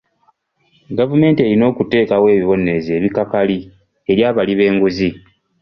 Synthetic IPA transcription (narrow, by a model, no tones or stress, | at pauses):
ɡavume̞ːntie̞ɾino̞ːkute̞ːkawe̞ːβiβo̞ne̞ze̞ːβikakali | e̞ɾjaːβaliβe̞ːŋɡuzi